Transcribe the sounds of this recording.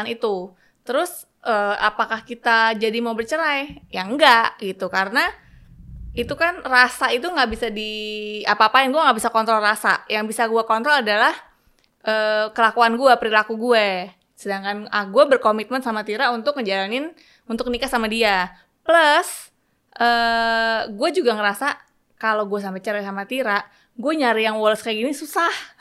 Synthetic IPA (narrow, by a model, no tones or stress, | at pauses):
nit̪u | t̪əɾʊs | ʔəːa̰pakahkit̪ad͡ʒadimaubərt͡ʃəɾajjaŋɡaʔɡit̪ukaɾəna | it̪ukanrasait̪uŋɡaʔbisadiapaːpajaŋɡuaŋɡaʔbisakɔnt̪ɾɔlrasa̰jaŋbisaɡuakɔnt̪ɾɔladalah | ʔəːkəlakuanɡuapəɾilakuɡuɛ | sədaŋkanaɡuɛbərkomit̪̚mənsamat̪iɾaunt̪ʊkŋəd͡ʒalanɪn | unt̪ʊk̚nikasamadia | pləs | ʔəː | ɡuɛd͡ʒuɡaŋəɾasa | kaloɡuɛs̬ampɛt͡ʃaɾasamat̪iɾa | ɡuɛɲaɾijaŋwɔlɔskajaɡinisusah